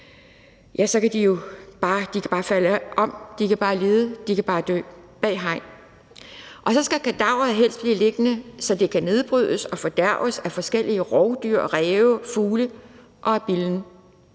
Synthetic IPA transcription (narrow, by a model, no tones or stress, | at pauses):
jæsɒ̽kæd̥ijo̝b̥ɑ̈ːd̥ikʰæb̥ɑ̈ːfæləʔɒ̽m̰d̥ikʰæb̥ɑ̈ːle̝ːð̩ˠəd̥ikæb̥ɑ̈ːd̥ø̰ːb̥ɛ̰ːɦɑ̈ɪ̰n | ʔɒ̽sɒ̽sɡ̥ækʰæd̥ɑ̈ʊ̰ɐð̩ˠɦel̰sd̥b̥liːle̝ɡ̥ənəsɒ̽d̥e̝kʰæne̝ð̞ˠb̥ʁyð̞̰ˠəsɒ̽fɒ̽d̥æɐ̰əsæfɒ̽sɡ̥el̰iəʁɒʊd̥yɐ̰ʁɛːʊfuːlə | ʔɒ̽æb̥iln̩